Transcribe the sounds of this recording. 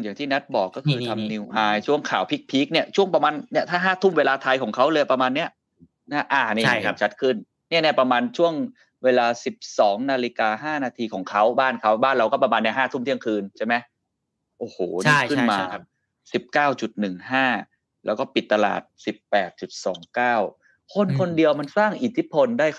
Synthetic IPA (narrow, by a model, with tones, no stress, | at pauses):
ŋja˨˩ŋt̪iː˥˩na˦˥t̪̚bɔː˨˩kːɔː˥˩kʰɯː˧t̪ʰa˧mniː˧wʔaː˧jt͡ɕʰu˥˩əŋkʰaː˨˩˦wpʰi˦˥k̚pʰiː˦˥k̚ni˥˩ɐt͡ɕʰu˥˩əŋpɾa˧maː˧nːi˥ɐt̪ʰaː˥˩ɦaː˥˩t̪ʰu˥˩mweː˧laː˧t̪ʰa˧jkʰɔː˩˦ŋkʰa˦˥wləː˧ja˨˩pɾa˧maː˧nːi˦˥ɐ | na˥˩ʔaː˧˩ni˦˥˩a˦˥t͡ɕʰa˦˥t̪̚kʰɯ˥˩n | ni˥˩ənɛː˥˩pɾa˧maː˧nt͡ɕʰu˥˩əŋ | weː˧laː˧si˨˩p̚sɔː˩˦ŋnaː˧li˧˥kaː˧ɦaː˥˩naː˧t̪ʰiː˧kʰɔː˩˦ŋkʰa˦˥wbaː˥˩nkʰa˦˥wbaː˥˩nɾa˧wkɔː˥˩pa˧maː˧nːi˥˩ɦaː˥˩t̪ʰu˥˩mt̪i˥˩əŋkʰɯː˧nt͡ɕʰa˥˩ma˦˥j | ʔoː˨˩hoː˨˩ni˥˩kʰɯ˥˩nmaː˧ | si˨˩p̚kaː˥˩wt͡ɕu˨˩t̪̚nɯ˨˩ŋhaː˥˩ | lɛː˦˥wkɔː˥˩pi˨˩t̪ːa˧la̰ː˨˩t̪̚si˨˩pːɛː˨˩t̪̚t͡ɕu˨˩t̪̚sɔ̰ː˩˦ŋkaː˥˩w | kʰo˧nkʰo˧ndi˧əwma˧nsaː˥˩ŋʔi˨˩t̪ʰi˦˥˩pʰo˧ndaː˥˩j